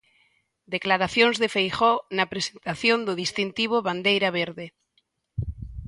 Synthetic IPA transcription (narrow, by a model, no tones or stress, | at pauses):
d̪eklaɾaθjoŋzðefejχɔnɐpɾesent̪aθjond̪ʊð̞ist̪int̪iβ̞oβand̪ejɾaβeɾðe